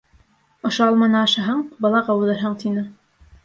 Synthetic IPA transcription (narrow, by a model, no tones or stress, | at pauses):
ŏʃoɑlˠmɑnɑːʃɑɦɑɴbɑlˠɑʁɑwɤlˠɤɾɦɑɴt̪ʰinɤ